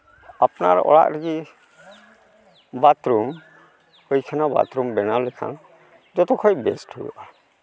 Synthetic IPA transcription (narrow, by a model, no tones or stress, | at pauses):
apnaɾɔ̰ɽa̰ʔɾiɡi | bat̪ɾum | hɔjkʰanaba̰t̪ɾumbɛnalɛkʰa̰n | d͡ʒɔt̪ɔkʰɔjbɛsʈujṵʔa